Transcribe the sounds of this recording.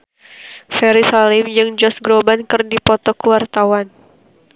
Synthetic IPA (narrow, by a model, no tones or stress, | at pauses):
fɛɾisalɪmd͡ʒɨŋd͡ʒɔsɡɾobankɨrdipɔt̪ɔkəwart̪awan